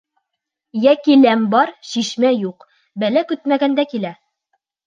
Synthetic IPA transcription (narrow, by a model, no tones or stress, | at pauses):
jækilæmbɒɾɕiʃmæjuq | bælækɵt̪̚mæɡænd̪ækilæ